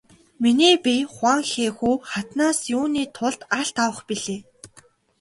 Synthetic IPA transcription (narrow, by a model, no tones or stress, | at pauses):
miniːpʲiχwaŋxeːxuːχat̪naːsjʊːniːt̪ʰʊɮt̪aɬt̪awə̆χpiɮeː